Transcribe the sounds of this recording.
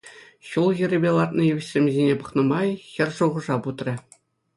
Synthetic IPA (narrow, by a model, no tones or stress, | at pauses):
ɕulˠɣʲĭɾʲɘ̆bʲelˠɑt̪̚nɤ̆jyʋʲɘ̆ɕsʲemʲzʲenʲepɤ̆χnɤ̆mɑjxʲɘ̆rʲʐuʁɤ̆ʐɑput̪rʲɘ̆